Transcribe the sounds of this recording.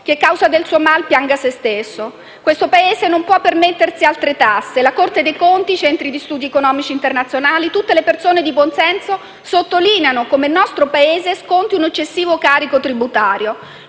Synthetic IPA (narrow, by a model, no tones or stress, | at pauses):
k̟ekːawzad̪elsuːomalpjaŋɡasest̪esːo | kwest̪opaeːzenompwɔpːermet̪ːersialt̪ɾet̪asːelakort̪ed̪ejkont̪it͡ʃɛnt̪ɾid̪ist̪uːd̪iekonɔːmit͡ʃiːnt̪ernat̪sjonaːlit̪ut̪ːelepersoːned̪ibonsɛnso | sot̪ːoliːneanokomelnɔst̪ɾopaeːzeskont̪iunet͡ʃːesːiːvokaːɾikot̪ɾibut̪aːɾjo